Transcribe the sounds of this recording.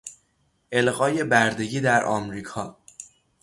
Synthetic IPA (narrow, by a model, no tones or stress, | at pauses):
ʔe̞lɣɒːje̞bæɾd̪e̞ɟiːd̪æɾʔɒ̰ːmɾiːkʰɒː